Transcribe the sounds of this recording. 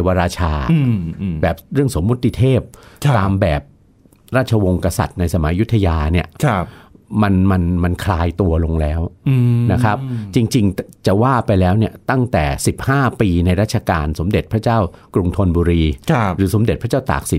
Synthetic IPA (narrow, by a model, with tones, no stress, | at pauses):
wa˧ɾaː˧t͡ɕʰaː˧bɛː˨˩p̚ɾɯ˥˩əŋso˨˩˦mːu˦˥t̪ʰːi˧t̪ʰeː˥˩p̚t̪aː˧mbɛː˨˩p̚ | ɾaː˥˩t̪̚t͡ɕʰa˧wo˧ŋka˧sa̰˨˩t̪̚na˧jsa˧ma˩˦ju˦˥t̪ʰːa˧jaː˧ni˥˩əkʰ | ma˧nma˧nma˧nkʰlaː˧jt̪u˧ɐlo˧ŋlɛː˦˥wna˦˥kʰa˦˥p̚t͡ɕi˧ŋt͡ɕi˧ŋt͡ɕa˨˩waː˥˩pa˧jlɛː˦˥wni˥˩ɐt̪a˥˩ŋt̪ɛ̰ː˨˩si˨˩p̚haː˥˩piː˧na˧jɾa˦˥t̪̚t͡ɕʰa˧kaː˧nso˩˦mde˨˩t̪̚pʰɾa˦˥t͡ɕaː˥˩wkɾu˧ŋt̪ʰo˧nbuː˧ɾiː˧ɾɯː˩˦so˩˦mde˨˩t̪̚ʰa˦˥t͡ɕaː˥˩t̪a̰ː˨˩k̚si˨˩t̪̚